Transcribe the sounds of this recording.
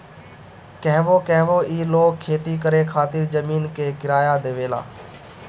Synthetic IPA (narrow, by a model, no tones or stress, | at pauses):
kəɦʋoːkə̃ɦʋoːʔiːloːɡ̚kʰːeːt̪iːkəɾeːkʰaːt̪ɪɾd͡ʒəmiːnkʰeːkɪɾaːjaːd̪eːʋeːla̰ː